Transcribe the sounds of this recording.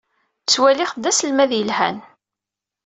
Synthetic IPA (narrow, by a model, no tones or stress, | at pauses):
t͡sːwæliχd̪æsəlmæðjəlhæ̰n